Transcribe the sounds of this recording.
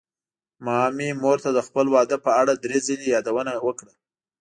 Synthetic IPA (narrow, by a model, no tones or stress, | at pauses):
mɑmimoɾt̪ad̪əxpəlwɑd̪əpəaɽad̪ɾezəlejɑd̪awənawəkɽa